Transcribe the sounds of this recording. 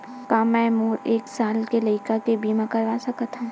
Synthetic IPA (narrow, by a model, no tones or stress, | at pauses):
kãːmɛ̃ːmuːɾeːksaːlkelɐɪkakebiːmãkɐɾʋaːsɐkət̪ã